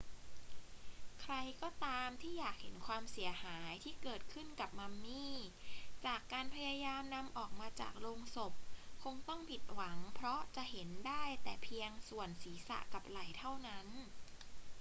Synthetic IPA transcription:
kʰɾa˧jkɔː˥˩t̪aː˧mt̪ʰiː˥˩jaː˨˩k̚he˨˦nkʰwaː˧msi˩˦ɐhaː˩˦jt̪ʰiː˥˩kɤː˨˩t̪̚kʰɯ˥˩nka˨˩p̚ma˧mːiː˥˩t͡ɕaː˨˩kːaː˧npʰa˧jaː˧jaː˧mna˧mʔɔː˨˩k̚maː˧t͡ɕa̰ː˨˩k̚loː˧ŋso˨˩p̚kʰo˧ŋt̪ɔ˥˩ŋpʰi˨˩t̪̚wa˩˦ŋpʰɾɔ˦˥t͡ɕa˨˩ʔɦe˩˦ndaː˥˩jt̪ɛː˨˩pʰi˧əŋsu˨˩ənsiː˩˦sa̰˨˩ʔka˨˩p̚la˨˩˦jt̪ʰa˥˩wna˦˥n

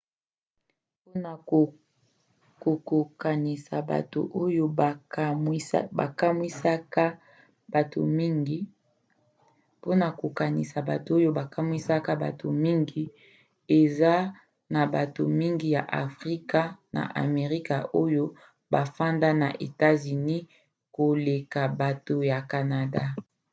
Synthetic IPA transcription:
pn˨o˨ | ko˨ko˨ka˨ni˨sa̰˨ba̰˨to̰˨ʔo˦jo˦˨˦ | ba̰˨ka˦mwi˦sa˦ka˦ | ba˨to̰˨mi˦ŋɡi˦ | po˦na˨ko˨ka˨nḭ˨sa˨ba˨to˨o˦jo˦ba˨ka˦mwi˦sa˦ka˦ba̰˨tʰo˨mi˦ŋɡi˦ | e˨za˦ | na˨ba˨to˨mi˦ŋɡi˦ja̰˨ʔa̰˨fʁi˦ka˦na̰˨ʔa̰˨me˨ʁi˦ka˨ʔo˦jo˦ | ba˨fa˦nda˦na̰˨ʔḛ˨ta˦zy˨ni˦ | ko˨le˨ka˨ba˨to˨ja˨ka˨na˨da˦

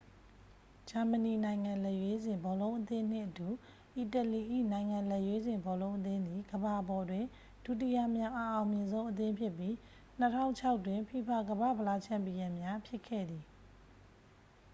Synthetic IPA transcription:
d͡ʑa˨mə˨ni˨nã˨ɪ̃ŋã˨lɛ˦˨ʔjwe˦zɪ̃˨mbɔ˨lõ˦ʊ̃ʔət̪ɪ̃˦n̥ɪ̰̃˦˨ʔətu˨ | ʔi˨tə˨li˨ʔḭ˦˨nã˨ɪ̃ŋã˨lɛ˦˨ʔjwe˦zɪ̃˨mbɔ˨lõ˦ʊ̃ʔə˦t̪ɪ̃˦nd̪i˨ɡəba˨ʔəbɔ˨dwɪ̃˨ | d̥u˨t̬i˦˨ja˨mja˦˨ʔa˨ʔã˨ʊ̃mjɪ̃˨nzõ˦ʊ̃ʔə˦t̪̬ɪ̃˦mpʰjɪ˦˨pːji˦ | n̥ə˦tʰã̰˦ʊ̃ɲt͡ɕʰa˦ʊtːwɪ̃˨mpʰi˨pʰa˦˨ɡəba̰˦˨bə˨la˦˨t͡ɕʰã˦˨mpi˨jã˨mja˦pʰjɪ˦kʰɛ̰˦˨d̪ði˨

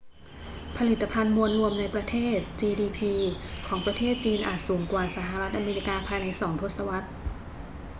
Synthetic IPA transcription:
pʰa˧li˨˩t̪ːa˧pʰa˧nmu˧ənɾu˧əmna˧jpɾa˧t̪ʰeː˥˩t̪̚t͡ɕiː˧diː˧pʰiː˧kʰɔː˩˦ŋpɾa˧t̪ʰeː˥˩t̪̚t͡ɕiː˧nʔaː˨˩t̪̚suː˩˦ŋkwaː˨˩sa˧˦ɦa˧ɾa˦˥t̪̚ʔaː˧meː˧ɾi˦˥kaː˧pʰaː˧jna˧jsɔː˩˦ŋt̪ʰo˦˥t̪̚sa˧wa˦˥t̪̚

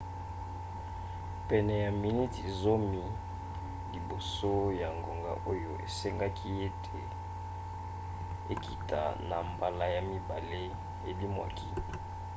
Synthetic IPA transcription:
pɛ˨nɛ˨ja˨mi˨ni˦ti˨zo˦mi˦ | li˨bo˨so˦ja˨ŋɡo˨ŋɡa̰˨ʔo˦jo˨ʔḛ˨se˦ŋɡa˦kʰi˦e˦tʰe˨ | e˨ki˨ta̰˨na̰˨mba˨la˨ja˨mi˦ba˨le˦ | e˨bi˦mwa̰˨kʰi˦

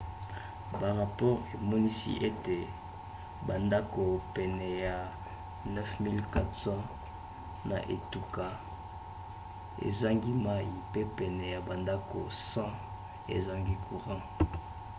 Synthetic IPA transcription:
ba˨ʁa˨pɔ˦ʁe˨mɔ˦ni˦sḭ˦ʔe˦te˨ | ba˨nda˦ko˨pɛ˨nɛ˨ja˨ | nɛ˦fmi˦lka˦tsɑ̃˦ | na̰˨ʔḛ˨tu˨ka˨ | ḛ˨za˦ŋɡi˦ma˦i˨pe˦pɛ˨nɛ˨ja˨ba˨nda˦ko̰˨sɑ̃˦ | ḛ˨za˦ŋɡi˦kʰu˨ʁɑ̃˦

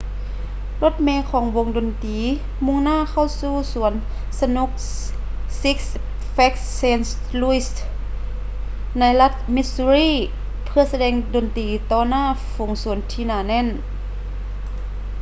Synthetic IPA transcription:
lo˧˥t̪̚mɛː˧kʰɔː˨˦ŋbo˧ŋdo˨˩nt̪iː˨˦ | mu˧˥˨ŋnaː˥˨ka˧˥˩wsuː˧˩su˨˩˦ən | sa˧nu˧˥k̚ | si˦˥k̚s | fɛ˧˦˥k̚seː˧ns | lu˧i˧s | na˧˥jla˧˥t̪̚mi˧su˧ɾiː˧˩˨ | pʰɯ˧ɐsa˧dɛː˧ŋdoː˨˩nt̪iː˨˦t̪ɔː˧˩naː˧˥˩fu˨˦ŋsu˨˩˦ənt̪ʰiː˧naː˨˩nɛ˧˥˨n

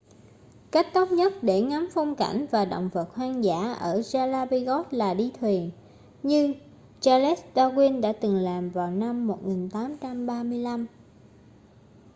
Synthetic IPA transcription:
ka˦˥k̟̚t̪ə˦˥wk͡p̚ɲə˦˥t̚ɗe˧˩ŋa˨˦mfɔ˧wŋ͡mka̰˧˩jŋ̟vaː˨˩ɗo̰˧˨wŋ͡mvə˨˩t̚hwaː˧ŋza̰ː˧˥ʔəː˧˩zaː˧laː˧ɓi˧ɣɔ˦˥t̚laː˨˩ɗi˧t̪ʰwi˨˩ən | ɲɨ˧ | t͡ɕaː˧lɛ˦˥s̚ɗaː˧ɣwi˧ənɗa̰ː˧˥t̪ɨ˨˩ŋlaː˨˩mvaː˨˩wna˧mːo˨˩t̚ŋi˨˩nt̪aː˨˦mt͡ɕa˧mɓaː˧mɨ˧əjla˧m

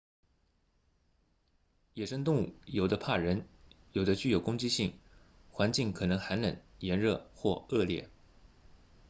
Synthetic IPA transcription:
jɛ˨˩ʂə˥ŋt̪ʊ˥˧ŋu˥˩jo˨˩ʊd̪ə˦pʰa˥˩ɻə˧˥njo˨˩ʊd̪ə˦t͡ɕy˥˩jo˨˩ʊkʊ˥ŋt͡ɕi˥ɕi˥˩ŋ | xwa˧˥nt͡ɕi˥˩ŋkʰɤ˨˩nɤ˧˥ŋxa˧˥nnə̰˨˩˦njɛ˧˥nɻɤ˥˧xwɔ˥˧ɤ˥˧ljɛ̰˥˩

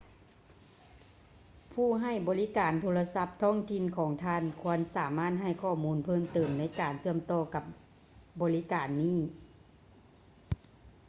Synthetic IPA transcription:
pʰuː˧˥˩ɦa˧˩jbɔː˨˦li˦˥kaː˨˩nt̪ʰoː˧la˧sa˧˥p̚t̪ʰɔː˥˩˨ŋt̪ʰi˧˨nkʰɔː˩˦ŋt̪ʰaː˧˥˨nkʰu˧˥ənsaː˩˦maː˥˩t̪̚ɦa˧˥˩jkʰɔː˧˩muː˧˥npʰɤː˧˥˩mt̪ɤː˨˩mna˧˥jkaː˨˩nsɯ˥˩əmt̪ɔː˧˩ka˧˦p̚ | bɔː˨˩li˦˥kaː˨˩nːiː˥˩˨

